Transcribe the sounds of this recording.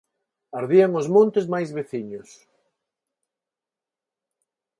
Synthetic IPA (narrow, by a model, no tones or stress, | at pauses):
aɾðiaŋʊzmõnt̪ɪzmajzβeθiɲʊs